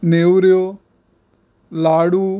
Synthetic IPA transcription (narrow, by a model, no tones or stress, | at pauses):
neːwɾjoː | laːɽu